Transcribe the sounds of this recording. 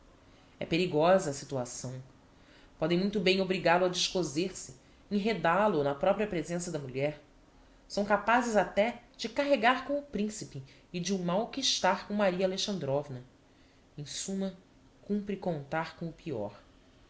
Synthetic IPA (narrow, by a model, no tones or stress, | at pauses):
ɛ̰peɾiɡɔzɐːsit̪uasɐ̃w̃ | pɔd̪ẽmũj̃t̪ʊbẽj̃obɾiɡalʊɐd͡ʒɪʃkozeɾsɪ | ẽɦed̪alʊnɐpɾɔpɾiɐpɾezẽsɐd̪ɐmuʎɛɾ | sɐ̃w̃kapazɪzat̪ɛd͡ʒɪkaɦeɡaɾkõw̃ʊpɾĩsipɪː | d͡ʒɪʊmawkɪːʃt̪aɾkõw̃maɾiɐaːleʃɐ̃nd̪ɾɔvnɐ | ẽj̃sũmɐ | kũmpɾɪkõnt̪aɾkõw̃ʊpiɔ̰ɾ